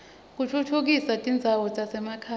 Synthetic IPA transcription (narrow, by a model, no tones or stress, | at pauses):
k̬utʰutʰuk̬isatʼind͡zʱawɔt͡sʼasɛmakʰaː